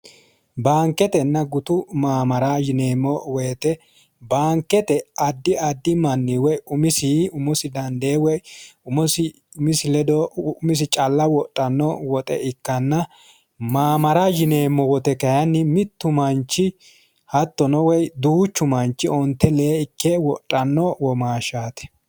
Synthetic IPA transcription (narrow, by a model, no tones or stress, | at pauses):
baːŋkːɛt̪ɛnːɐɡʊt̪ʊmaːmɐɾajɪneːmːɔweːt̪ɛ | baːŋkːɛt̪ɛɐd̪ːɪɐd̪ːɪmɐnːiwɔjʊmɪsiʊmɔsɪd̪ɐnd̪eːwɔjʊmɔsɪ | ʊmɪsɪlɛd̪ɔmɪs̬ɪt͡ʃʼɐlːɐwɔtʼːɐnːɔwɔt̪ʼɛ̰ʔɪkːɐnːɐ | maːmɐɾajɪne̞ːmːɔwɔt̪ɛkɐjɐnːɪmɪt̪ːʊmɐnt͡ʃːɪ | hɐt̪ːɔnɔwɛjd̪uːt͡ʃːʊmɐnt͡ʃːɪɔnt̪ːɛleːɪkːɛwɔtʼːɐnːɔwɔmaːʃaːt̪ɛ̥